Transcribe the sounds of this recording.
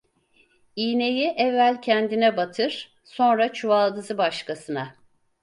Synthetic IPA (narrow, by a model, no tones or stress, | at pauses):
iːne̞jiʔɛvːælʲcʰɛnd̪inɛbat̪ʰɯɾ̥ | so̞nɾat͡ʃʰualˠd̪ɯzɯbaʃkʰasɯna